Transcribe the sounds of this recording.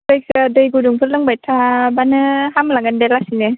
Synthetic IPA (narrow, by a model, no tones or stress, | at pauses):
pɯjk̚sadɯjɡuduŋpʰɯɾlɯŋbajtʰabanɯhamlaŋandelasine